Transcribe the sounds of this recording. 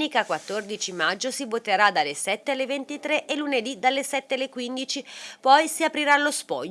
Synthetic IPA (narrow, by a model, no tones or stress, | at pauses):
nikakwat̪ːord̪it͡ʃimad͡ʒːosivot̪eɾad̪alːesɛt̪ːealːevent̪it̪ɾeʔelːuned̪id̪alːesɛt̪ːealːekwind̪it͡ʃipɔjsiapɾiɾalospɔʎ